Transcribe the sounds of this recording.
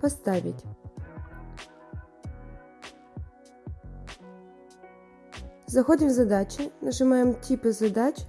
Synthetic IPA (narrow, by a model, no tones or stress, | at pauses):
pɔst̪ɑʋʲḭtʲ | zɐxɔd̪ɪmzɐd̪ɑt͡ʃʲɪnɐʒɪmɑjemtʲipɪzɐd̪ɑt͡ʃʲ